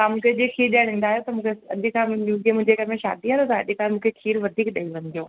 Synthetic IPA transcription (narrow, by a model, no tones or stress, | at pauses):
ãmũːkʰeʄeːkʰiːɾɗiaɽ̃ĩːn̆d̪aːɦjot̪ɐmũːkʰeɐʄkʰãuːzimʊ̃ɪ̃ɲd͡ʑekɐɾmẽʃa̰ːd̪iɦãːot̪ɐɐ̰ʄɪkaːmũːkʰekʰiːɾʋɐd̪ʱiːkɗɐiʋɐ̃ɲd̪ijoː